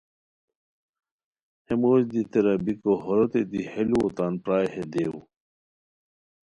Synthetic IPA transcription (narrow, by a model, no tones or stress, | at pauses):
hemoːd͡ʑd̪it̪eɾɐbikohoɾot̪ed̪iheluot̪aːnpɾaːjhed̪eṵ